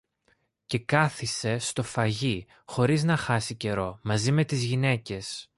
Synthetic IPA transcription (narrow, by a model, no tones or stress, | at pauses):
ce̞kɐθise̞st̪o̞fɐʝi | xo̞ɾiznɐxɐsice̞ɾo̞mɐzime̞t̪izʝine̞ce̞s